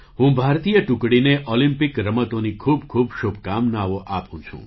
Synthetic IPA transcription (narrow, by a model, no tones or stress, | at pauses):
ɦũbʱaɾt̪ijəʈukɽineʔɔlimpikɾəmət̪onikʰubkʰubʃubʱkamnaʋoʔapṵ̃t͡ʃʰṵ̃